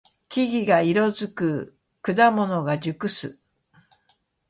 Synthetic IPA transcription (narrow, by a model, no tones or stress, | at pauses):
kʲiɡʲiɡaiɾo̞zɨkɯ̟ | kɯ̟d̪amo̞no̞ɡad͡ʑɨkɯ̟sɨ